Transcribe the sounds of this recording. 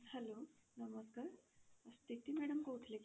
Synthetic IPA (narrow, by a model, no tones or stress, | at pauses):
sɦɛlonəməskaːɾəst̪it̪imɛɽəmkout̪ʰlek